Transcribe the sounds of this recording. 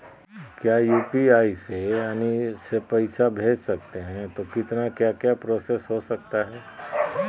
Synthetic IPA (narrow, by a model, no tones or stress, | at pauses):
kjaːjuːpiaːiseanisepɐɪsabʱeːd͡ʒsɐk̚t̪eɦɛ̃t̪okɪt̪nakjakjapɾoːsesɦosɐk̚t̪aɦɛː